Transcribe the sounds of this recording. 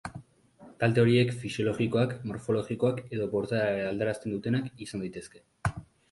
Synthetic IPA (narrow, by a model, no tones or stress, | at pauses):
t̪ald̪e̞o̞ɾie̞kfisio̞lo̞ɣiko̞akmo̞ɾfo̞lo̞ɣiko̞ake̞ðo̞po̞ɾt̪aald̪eɾast̪e̞nd̪ut̪e̞nakisand̪ajt̪e̞ske̞